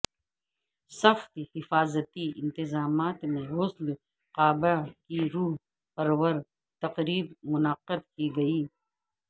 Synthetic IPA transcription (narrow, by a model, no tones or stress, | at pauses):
sɐxt̪hɪfaːzət̪iɪ̰̃nt̪ɪzaːmaːt̪mẽɦoːsl | qaːbakiɾuːɦ | pɐɾwəɾ | t̪ɐqɾiːbmʊnəqːəd̪kiɡɐiː